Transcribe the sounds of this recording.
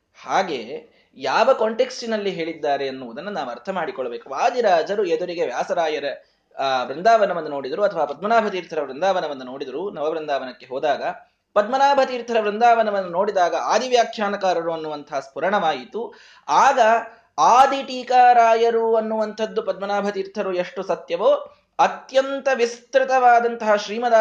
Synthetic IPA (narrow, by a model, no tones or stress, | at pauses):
haːɡe̞ː | jaːʋɐkoɳʈe̞ksʈinɐlːiɦe̞ːɭid̪ːaːɾe̞ɐnːuʋud̪ɐnːunaːʋuɐɾt̪ʰɐmaːɽikɔɭɐbe̞ːkuʋaːd̪iɾaːd͡ʒɐɾued̪uɾiɡe̞ʋjaːsɐɾaːjɐɾɐ | ʋɾind̪aːʋɐnɐʋɐnd̪ːunoːɽid̪ɐɾuɐt̪ʰɐʋaːpɐd̪̚mɐnaːbʱɐt̪iːɾt̪ʰɐɾɐʋɾind̪aːʋɐnɐʋɐnːuno̞ːɽid̪ɐɾunɐʋɐʋɾind̪aːʋɐnɐkːe̞ɦɔːd̪aːɡɐ | pɐd̪̚mɐnaːbʱɐt̪iːɾt̪ʰɐɾɐʋɾind̪aːʋɐnɐʋɐnːuno̞ːɽid̪aːɡɐaːd̪iʋjaːkʰjaːnɐkaːɾɐɾuɐnːuʋɐnt̪ɐɦɐspuɾɐɳɐʋaːjit̪u | aːɡɐ | aːd̪iʈiːkaːɾaːjɐɾuɐnːuʋɐnt̪ʰɐd̪ːupɐd̪̚mɐnaːbʱɐt̪iːɾt̪ʰɐɾueʂʈusɐt̪jɐʋoː | ɐt̪jɐnt̪ɐʋist̪ɾɪt̪ɐʋaːd̪ɐnt̪ɐɦɐʃɾiːmɐd̪aː